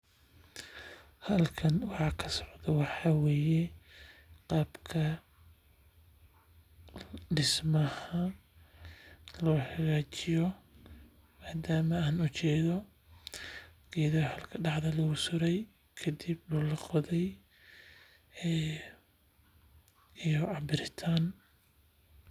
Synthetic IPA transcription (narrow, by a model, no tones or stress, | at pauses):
hɐlkʰɐnwɑħɑːkʰɐsɔʕd̪ɐwɑħɑːwɛːjɛ | qɑːbkʰɐ | ɖɪsmɐhɐ | lɔːħɑɣaːt͡ʃɪjɔ | maːd̪aːmɐaːnʊt͡ʃɛːðɔ | ɡ̥ɛːðɐhɐlkʰɐɖɑħðɐlɐɣʊsʊɾɛj | kʰɐd̪ibdʊlɑqɔðɛj | ijɔɑbɪɾɪt̪ʰaːn